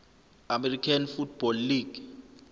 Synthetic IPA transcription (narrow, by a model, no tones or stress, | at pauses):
amɛrikʰanfut̚ʰb̥ɔlːiːɡ̥